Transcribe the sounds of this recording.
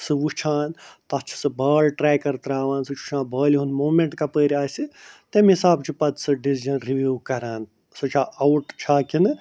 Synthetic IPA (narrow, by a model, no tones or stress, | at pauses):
sɨʋut͡ʃʰaːnt̪ɐt͡ʃʰi̥sɨbʱɐːlʈɾɛːjkɐɾt̪ɾaːʋãːnsɨt͡ʃʰu̥t͡ʃʰãːbʱɐːlɦunmoːmeɳʈkapəːɾʲaːsɨt̪emɦisaːbt͡ʃʰipɐt̪sɨɖisd͡ʒɐnɾiʋuːkɐɾaːn | sɨt͡ʃʰaʔɐwʈt͡ʃʰaːkinɨ